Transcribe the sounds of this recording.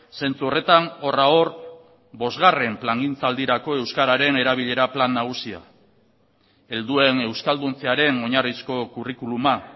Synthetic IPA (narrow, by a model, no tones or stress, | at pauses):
se̞nt͡suo̞re̞t̪anoraor | bo̞zɣare̞mplaŋɡint͡sald̪iɾako̞e̞wskaɾaɾe̞ne̞ɾaβiʎe̞ɾaplanːaɣ̞usia̰ | e̞ld̪ue̞ne̞wskald̪unt͡seaɾe̞no̞ɲarisko̞kurikuluma